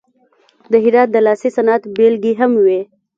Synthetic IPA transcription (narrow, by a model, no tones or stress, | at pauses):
d̪əɦɪɾɑt̪̚d̪əlɑːsisanat̪belɡiɦamwe